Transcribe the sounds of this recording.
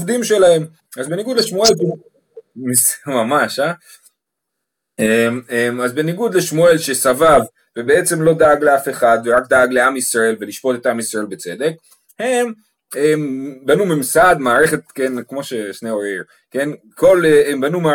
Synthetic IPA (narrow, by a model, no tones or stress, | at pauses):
vd̪imʃelahe̞m | azbe̞niɡud̪leʃmue̞lb | mismamaʃa | ememazbe̞niɡud̪le̞ʃmue̞lʃesavav | vebe̞e̞t͡se̞mlo̞d̪aaɡle̞afe̞χad̪veʁakd̪aaɡle̞amisʁae̞lveliʃpo̞t̪e̞t̪amisʁae̞lbet͡se̞d̪e̞k̚ | he̞m | embanumimsad̪maːʁe̞χe̞t̪kenkmo̞ʃe̞ʃneoʁiʁ | ken | ko̞leembanuma